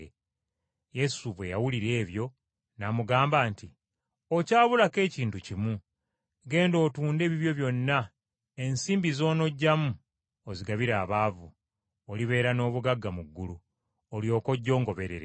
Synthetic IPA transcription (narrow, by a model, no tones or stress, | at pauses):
je̞suβwe̞jawuliɾe̞ːβjo̞ | namuɡaːmbaːnti | o̞caːβulake̞ːciːntucimu | ɡe̞ːndo̞ːtuːnde̞ːβiβjo̞βjo̞nːa | e̞nsiːmbizo̞ːno̞ɟːamu | oziɡaβiɾaːβaːvu | oliβe̞ːɾano̞ːβuɡaɡːamuɡːulu | oljo̞ːko̞ɟːo̞ːŋɡo̞βe̞ɾe̞ɾḛ